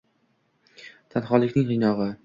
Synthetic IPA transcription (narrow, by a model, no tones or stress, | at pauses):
t̪ʰanχɒlˠːɪkʲnɪŋʁɨjnɒʁɨ